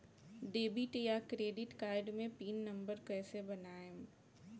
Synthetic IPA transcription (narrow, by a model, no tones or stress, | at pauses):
ɖeːbɪʈjakɾeːɖɪʈkaːɪɖmẽpiːnːɐ̃mbəɾkɛːsebɐnaːe